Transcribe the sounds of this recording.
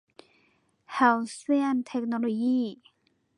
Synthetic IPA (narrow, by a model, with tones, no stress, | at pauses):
ha˧wswe˥ant̪ʰɛ˧k̚nɔ˧loji˥